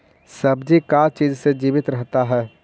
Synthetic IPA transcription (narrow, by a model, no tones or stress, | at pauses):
sɐbd͡ʒikat͡ʃiːd͡ʒsed͡ʒiːbɪt̪ɾəɦt̪aɦɛː